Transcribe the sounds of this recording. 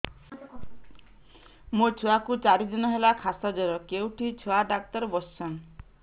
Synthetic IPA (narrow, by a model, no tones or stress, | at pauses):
mot͡ʃʰuakut͡ʃaɾid̪inɔɦelakʰasad͡ʒɔɾɔkewʈʰit͡ʃʰuaɖak̚t̪ɔɾɔbɔssan